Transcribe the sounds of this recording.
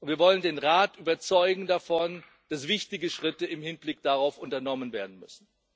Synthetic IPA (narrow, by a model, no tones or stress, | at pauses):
ʔʊntviːɐvɔləndeːnʁaːtʔyːbɐt͡sɔʏɡŋ̩dafɔn | d̥asv̥ɪçtɪɡəʃʁ̥ɪtəɪmhɪnblɪk̚d̥aʁaʊfʔʊntɐnɔmənveːɐdn̩mʏsn̩